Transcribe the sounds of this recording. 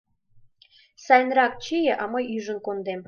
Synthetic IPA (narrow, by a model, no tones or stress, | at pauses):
sɑjnrɑk̚t͡ɕijə̆ʔɑməjyʒə̆nkond̪em